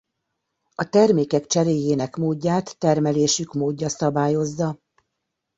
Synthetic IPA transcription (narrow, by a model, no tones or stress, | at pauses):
ɒt̪ɛrmeːkɛkt͡ʃɛɾeːjeːnɛkmoːdːaːt̪ːɛrmɛleːʃykmoːɟːɒsɒbaːjo̞zːɒ